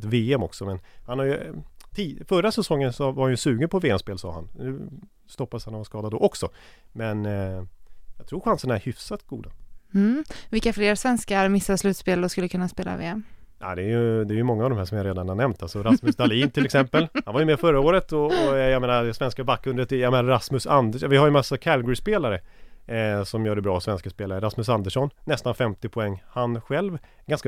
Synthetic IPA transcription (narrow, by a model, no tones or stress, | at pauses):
t̪veːɛmɔksɔmɛnhanhaɾjɵt̪ʰiːfœɾasɛsɔŋːənsɔvahanjɵsʉ̟ːɡənpʰɔveːɛmspeːlsɑ̰ːha̰nnʉ̟ː | st̪ɔpːashanɔvaskɑːd̪ad̪ɔʔɔksɔ | mɛn | jɑt̪ʰɾuːɾɧansənaæɾhʏfsat̪ɡuːd̪am̩vɪlkːafleːɾsvɛnskaɾmɪsːaslʉ̟ːt̪speːlɾɔskɵlːəkʰɵnːaspeːla̰vḛːɛm | ʔa̰d̪ɛːjɵd̪ɛːɾjɵmɔŋːaːvd̪ɔmɦæːʂɔmjaɾeːd̪anhanɛmnt̪ʰalsɔɾasməsd̪aliːnt̪ʰɪlɛksɛmpəlhanvajɵmɛfœɾːaoːɾət̪ɔɔjameːnad̪ɛsvɛnskabakʰːɵnd̪ət̪ɛjameːnaɾɾasmɵsand̪əʂvɪhaɾjəmasːakʰælɡʊɾɪspeːlaɾə | sɔmjœːɖɛbɾɑːsvɛnskaspeːlaɾəɾasmɵs̬and̪əʂɔnːɛst̪anfɛmt̪ɪpʰɔɛŋːhanɧɛlv | ɛɡanska